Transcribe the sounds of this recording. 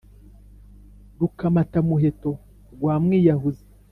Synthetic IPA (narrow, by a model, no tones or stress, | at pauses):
dukamatamuɦeto̞ | ɡwaːmŋijaɦuze